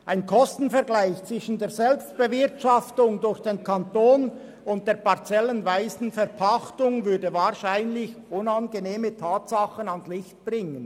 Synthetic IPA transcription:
ʔaɪnkʰɔstn̩fɛɐʁɡlaɪçt͡sʋ̥vɪʃn̩deːʁzɛlpst̚b̥əvɪʁtʃɑftʊŋdʊɾçd̥eːnkʰantoːn | ʊnt̚d̥eːɐʁpaʁt͡sɛlənvaɪsn̩fɛʁpʰaxtʊŋvʏʁdəvaːʁʃaɪnlɪçʔʊnɑnɡəneːmətʰaːtsɑχənɑnslɪçt̚b̥ʁɪŋən

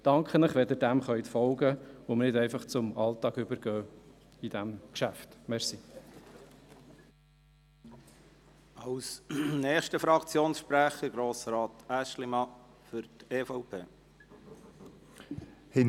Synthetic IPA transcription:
d̥ɑŋkχənɪχʋɛd̪ɪɾdæmχœʏt̪fɔlɡəomnɪdɛɪfɑχt͡sʊmɑlt̪ɑːɡʏbəɾɡ̥œː | id̥æmkʃæft̪mɛɾsi | ɑwsnɛːχʃtəfɾɑkt͡sjoːnsʃpɾæχəɾɡɾoːsɾɑːt̪æʃlimɑ | fʏɾteːfɔʊpʰeː | hɪ

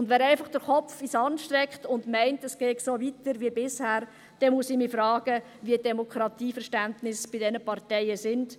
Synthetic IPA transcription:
ʊndʋɛːɾæɪfɑχd̥əɾχɔpp͡fisɑnʃtɾɛkχtʊndmɛɪntɛsɡ̥ɛːtsoːʋitəɾʋiəbɪshæːɾ | d̥ɛnmuəsɪmifɾɑːɡ̥ə | ʋiəd̥ɛmokʰɾɑt̪iːfəɾʃtæntnɪsb̥ɪdɛnəpɑrtɛɪəsɪnd̥

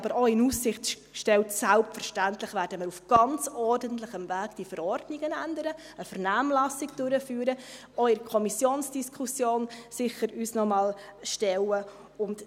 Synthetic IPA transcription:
ɑbəɾɔɪnussɪχt | ʃtɛltsælp̚tfəɾʃtæntlɪχvæːɾdəməːɾufɡ̥ɑnt͡sɔrdəntlɪχəmvæːɡ̥d̥ifəɾɔrdnɪɡənændəɾə | əfəɾnæːmlɑsːɪɡd̥øɾəfyːɾə | ɔɪɾkʰɔmisjoːnsd̥iskʰusjoːnsɪχəɾysnɔmɑːlʃtɛlə | ʊnt

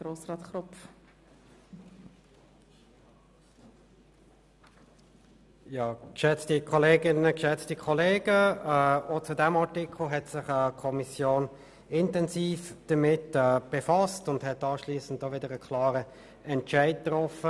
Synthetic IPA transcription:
ɾoːsɾɑːtχɾʊpf | jɑːkʃɛt͡stikʰɔleːɡɪnəkʃɛt͡stikʰɔleːɡ̥ə | ot͡sudɛmɑʁtɪkl̩ɦɛtsɪχəkʰɔmisjoːn | ɪntɛnsiːfd̥əmɪtɛːb̥efɑstʊndhɛtɑːʃliːsən̩tːoʋɪdəʁəkʰlɑːɾə | ɛntʃæɪt̚tʁɔfə

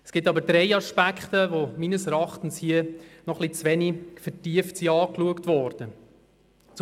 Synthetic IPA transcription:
ɛsɡ̥ɪtɑbəɾdɾɛɪɑʃpækχt̪əvomiːnəsɛɾɑχtn̩shiənɔχlit͡sʋɛnifɛtiəftsiɑːkluəktʋɔːɾd̥ə | t͡s

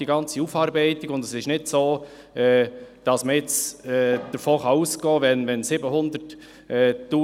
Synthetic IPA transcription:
d̥iɡɑnt͡siufɑːɾbɛɪtiɡʊndəsɪʃnɪdsoː | ɛːd̥ɑsməɪt͡sɛːd̥əɾfoːχɑuːsɡ̥ɔːʋɛnʋɛnsɪbəɦʊnd̪əɾt | ɛːtːuː

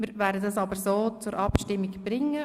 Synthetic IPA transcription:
mɪɾvɛːɾdədɑsɑbəɾsoːt͡sʊɾʔɑpʃtɪmːiɡb̥ɾɪŋːə

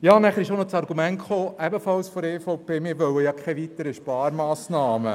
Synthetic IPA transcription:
jɑːnæχəɾɪʃoʊnɔt͡sɑɾɡ̥umɛntχoːʔɛbəfɑlsfɔɾefɔʊpeːmɪːɾʋœwəjɑkʰɛʋit̪əɾiʃpɑːɾmɑːsnɑːmə

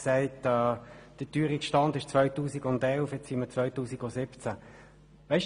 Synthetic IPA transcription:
sɛɪtɛːd̥ətyːɾikʃtɑnd̪ɪʃt͡svœʏtuːsiɡʊnd̪ɛlfjɛt͡ssimət͡svœʏtuːsiɡɔsɪpt͡sæ | ʋɛɪʃ

